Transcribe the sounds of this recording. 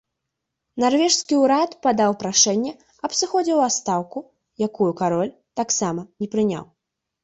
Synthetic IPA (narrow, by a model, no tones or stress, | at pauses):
narvʲɛʂskʲiuɾat̪pad̪awpɾaʂɛnʲːɛ | ɐpsɨxɔd͡zʲɛwast̪awku | jakujukaɾɔlʲ | t̪aksamɐnʲɛpɾɨnʲa̰w